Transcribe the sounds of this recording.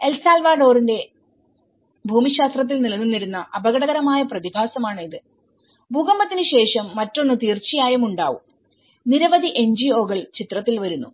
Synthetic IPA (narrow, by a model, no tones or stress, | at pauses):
e̞lsaːlʋaːɖo̞ːrinde̞ | bʱuːmiɕaːst̪rɐt̪̬ːilnilɐnːunːiɾunːɐʔɐbɐɣɐɽɐðɐɾɐmaːjɐprɐðibʱaːsɐmaːɳiðɨ | bʱuːɣɐmbɐt̪ːinɨɕe̞ːʂɐmːɐtːo̞nːɨt̪iːrt͡ɕijaːjɐmuɳɖaːʋṵm | niɾɐʋɐd̪iʔe̞nd͡ʑio̞ːɣɐɭt͡ɕit̪rɐt̪ːilʋɐɾunːṵ